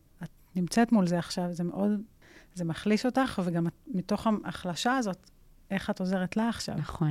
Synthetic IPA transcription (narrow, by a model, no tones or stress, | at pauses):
at̚ | nimt͡setmulzeaχʃavzemeʔo̞d | zemaχliʃo̞taχveɡamatmito̞χaaχlaʃaːzo̞t | e̞χato̞ze̞ʁetlaːχʃa̰vχon